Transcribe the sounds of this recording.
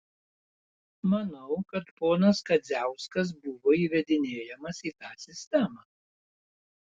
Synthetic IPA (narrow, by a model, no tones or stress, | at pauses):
mɐnɐʊkɐt̪poːnɐskɐzʲæˑʊskɐs̬bʊʋoːiːʋʲɛd̪ʲɪnʲeːjɛmɐsiːt̪ɑːsʲɪsʲt̪ʲɛmɑː